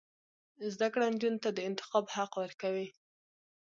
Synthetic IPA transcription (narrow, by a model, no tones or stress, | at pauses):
zd̪akɽand͡ʒunt̪ad̪əɪnt̪ɪ̥xɑbhaqwəɾkawi